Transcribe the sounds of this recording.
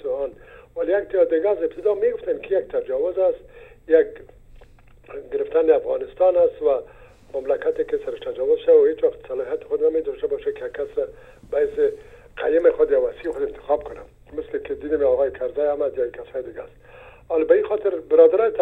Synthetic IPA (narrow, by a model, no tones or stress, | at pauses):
t̪ʊɑnwalejak̚t̪jɑd̪ɪɡazɪb̚t̪ɪd̪ɑmeɡʊft̪ankɪjak̚t̪ʰad͡ʒɑwʊzast̪jak | ɡɪɾɪft̪anɪafɣɑ̰nɪst̪ɑnast̪wa | mamlakat̪ekɪsaɾɪʃt̪ad͡ʒɑwʊzʃawawhet͡ʃwaqt̪salɑɦijat̪ɪ̥xʊd̪named̪ɔʃtabɔʃakɪjaɡkːasɾa | bajsɪ | qʰa̰jɪmɪxʊd̪jawasiɪxʊd̪ɪnt̪ɪ̥xɑbkʊna̰ | mɪslɪkɪd̪inɪmeɔɣɑjɪkʰaɾzajamad̪jɔkasɑjɪd̪ɪɡast̪ | ɔlɪbaixɔt̪ɪɾbɪɾɑd̪aɾɔt̪